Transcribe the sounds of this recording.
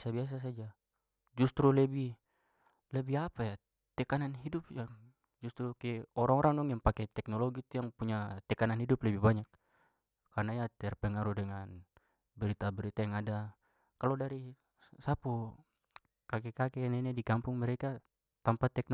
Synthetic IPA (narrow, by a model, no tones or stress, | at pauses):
sabias̬as̬ad͡ʒa | d͡ʒust̪ɾulɛbi | lɛbiapaja | t̪ɛkananɦidup̚jaŋ | d͡ʒust̪ɾukɛɔɾaŋɔɾʔaŋdɔŋjaŋpakɛt̪ɛk̚nɔlɔɡit̪ujaŋpuɲat̪ɛkananɦiduplɛbibaɲak | kːarnajat̪ɛrpɛŋaɾudɛŋan | bɛɾit̪abɛɾit̪ajaŋada | kalɔdaɾi | sapu | kakɛkakɛnɛnɛdikampuŋmɛɾɛka | t̪ampat̪ɛk̚n